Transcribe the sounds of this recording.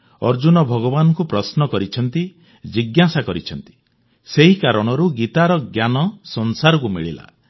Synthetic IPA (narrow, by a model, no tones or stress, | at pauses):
ɔɾd͡ʒunɔbʱɔɡɔbanɔŋkupɾɔsnɔkɔɾit͡ʃʰɔnt̪i | d͡ʒiɡjasakɔɾit͡ʃʰɔnt̪i̥ | seɦikaɾɔɽ̃ɔɾuɡit̪aɾɔɡjanɔsɔnsaɾɔkumiɭila̰